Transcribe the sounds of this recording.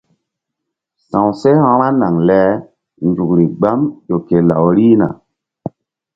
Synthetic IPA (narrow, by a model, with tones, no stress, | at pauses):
sã˨w̃se˦hã˧ɾa˦na˨ŋlɛ˨˦ | ndu˨k̚ɾi˨ɡ͡ba˦mɗo˨ke˨la˨wɾi˦na̰˨